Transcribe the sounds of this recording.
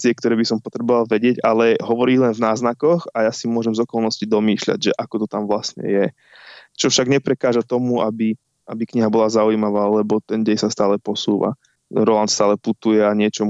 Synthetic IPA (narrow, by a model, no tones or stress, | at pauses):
t͡sɪɛk̚t̪ɔɾɛːbisɔmpɔt̪ɾɛbɔʋalˠʋɛɟɪɛɟalɛɦɔʋɔɾiːlɛnvnaːznakɔxajasimʊɔʒɛmzɔkɔlˠnɔscid̪ɔmiːʃʎa̰ɟʒɛʔakɔt̪ɔt̪amʋlastɲɛ̰jɛ | t͡ʃɔfʃaɡɲɛpɾɛkaːʒat̪ɔmuabi | abikɲiɦabɔlazaujimaʋaːlɛbɔt̪ɛnɟɛjsast̪aːlɛpɔsuːʋa̰ | ɾɔlant̪st̪aːlɛput̪ujɛaɲɪɛt͡ʃɔm